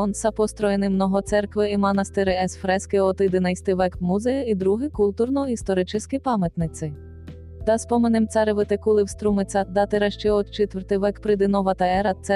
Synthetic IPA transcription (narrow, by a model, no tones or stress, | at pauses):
ɔnsɐpɔst̪ɾɔjenɪmnɔɦɔt̪sɛrkʋɪimɐnɐst̪ɪɾɪɛsfɾɛskɪɔt̪ɪd̪enɐjst̪ɪʋɛkmuzɛjɐid̪ɾuɦɪkulʲt̪urnɔist̪ɔɾɪt͡ʃɪsʲkɪpɑmjɐt̪nɪt̪sɪ | d̪ɑspɔmenɪmt̪sɑɾeʋɪt̪ekulˠɪwst̪ɾumɪt̪sʲɑd̪ɑt̪ɪɾɐʃt͡ʃɛɔt̪t͡ʃɪt̪ʋɛɾt̪ɪʋɛkpɾɪd̪ɪnɔʋɐt̪ɐɛɾɐt̪sɛ